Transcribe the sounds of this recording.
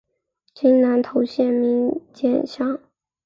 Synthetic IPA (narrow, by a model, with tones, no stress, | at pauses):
t͡ɕi˥ŋna˧˥nt̪ʰo˧˥ʊɕjɛ˥˩nmi˧˥ŋt͡ɕjɛ˥˩nɕjɑ˥˩ŋ